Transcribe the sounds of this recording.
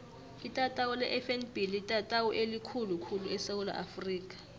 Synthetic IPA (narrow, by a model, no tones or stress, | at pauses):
itʼatʼawulɛʔɛfɛnbilitʼatʼawɔʔelikʰulukʰuluɛsewula̰ʔafriːk̬ʼḁ